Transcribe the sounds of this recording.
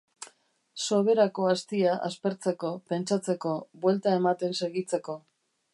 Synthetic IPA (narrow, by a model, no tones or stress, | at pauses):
so̞βe̞ɾako̞ast̪iaʔa̰spe̞ɾt͡se̞ko̞pe̞nt͡sat͡se̞ko̞βwe̞lt̪ae̞mat̪e̞nse̞ɣit͡se̞ko̞